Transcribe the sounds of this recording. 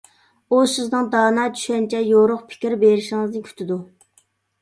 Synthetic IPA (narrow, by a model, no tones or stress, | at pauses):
osɪznɨŋd̪ɑːnɑt͡ʃʰy̥ʃɛnt͡ʃʰɛjoɾʊχpʰɪ̥kʲiɾbeɾɪʃiŋɨznɨkʲʰy̥t̪ʰɪd̪u